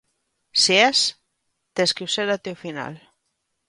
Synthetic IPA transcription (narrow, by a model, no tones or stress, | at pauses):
sies | t̪eskiuseɾat̪eufina̰l